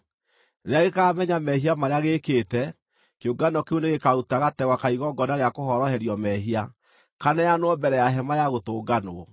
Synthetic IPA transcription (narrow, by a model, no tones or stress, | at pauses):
ɾeaɣekaːmɛɲamɛɦiamaɾeaɣeːkeːtɛ | keoɡanɔkeoneɣekautaɣatɛɣwakaiɣɔɡɔnaɾeakohɔɾɔhɛɾjɔmɛɦia | kanajanwɔbɛɾɛjaɦɛmajaɣotoːɡanoɔ